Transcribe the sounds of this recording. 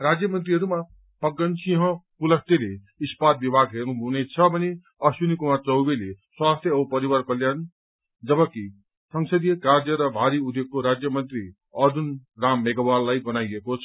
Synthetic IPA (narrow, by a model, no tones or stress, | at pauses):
rad͡zjʌmʌnt̪riɦʌɾuma | pʌɡːʌnsiɦʌ̃pulʌkt̪ele | ispad̪̚bibʱaɡɦernuɦunet͡sʰʌbʱʌne | ʌsunikumart͡sʌwbeleswast̪ʰjʌʌbʌpʌɾiwʌrkʌljan | d͡zʌbʌki | sʌŋsʌd̪ijʌkard͡zʌɾʌbʱaɾiud̪ʱjoɡ̚koɾad͡zjʌmʌnt̪ri | ʌd̪unramːeɡʌwallajbʌnajekot͡sʰʌ̥